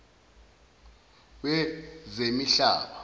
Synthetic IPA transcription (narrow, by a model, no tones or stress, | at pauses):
wɛzemiɬa̰ːɓa